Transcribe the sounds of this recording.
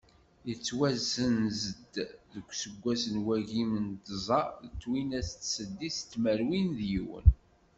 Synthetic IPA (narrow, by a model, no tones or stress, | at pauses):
jət͡sːwæzənzəd̪ðəkʷːsəɡʷːæsənwæʝimənt̪zˤɑət͡sːwinæst̪səd̪ːist̪ːməɾwinðjiwə̰n